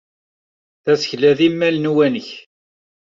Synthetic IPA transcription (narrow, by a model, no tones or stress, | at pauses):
θæsə̥çlæðimːælnwænəç